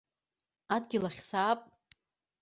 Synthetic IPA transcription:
adɡʲɪlaχʲsaːpʼ

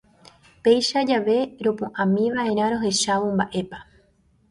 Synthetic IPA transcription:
pe̞jʃad͡ʒaʋe̞ɾo̞põʔãmĩʋaʔe̞ɾ̃ãɾo̞ɦe̞ʃaʋombaʔe̞pa

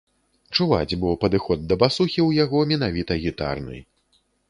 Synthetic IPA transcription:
t͡ʂuva̰d͡zʲbɨwpɐd̪ɨxɔd̪̚ːɐbasuxʲiwjaɣɔmʲɛn̪avʲit̪ɐɣʲit̪a̰rnɨ̰

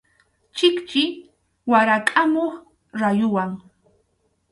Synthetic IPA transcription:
t͡ʃɪkt͡ʃɪ | waɾakʼamoχ | ɾajʊwaŋ

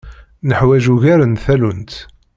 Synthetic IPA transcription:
nəħwæʒuʝæɾənθælunt̪

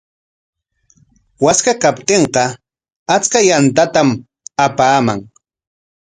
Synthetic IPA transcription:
waskakapt̪eɴqɑ | at͡skajant̪at̪am | apaːmaŋ

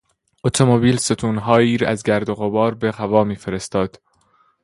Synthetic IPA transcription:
ʔot̪ʰomobiːlse̞t̪ʰuːnɦɒːjiːɾæzɟæɾd̪oɣobɒːɾbe̞hævɒːmiːfe̞ɾe̞st̪ɒːd̪̥

